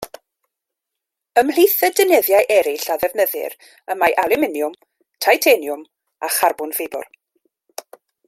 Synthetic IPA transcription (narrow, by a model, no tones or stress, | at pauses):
əml̥iθədənəðjajʔɛɾɪɬaðɛvnəðɪ̰ɾ | əmajʔalˠɪmɪnjʊm | tʰajtʰenjʊm | aχarbʊnvebʊ̰r